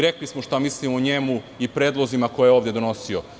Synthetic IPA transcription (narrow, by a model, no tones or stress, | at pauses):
ɾeklismoʃt̪amislimoɲemu | ipɾe̞ːd̪lˠozimako̞jejeo̞ːʋd̪jed̪ono̞sio̞